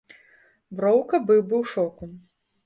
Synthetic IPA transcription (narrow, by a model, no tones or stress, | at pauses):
bɾɔwkɐbɨwbɨwʂɔku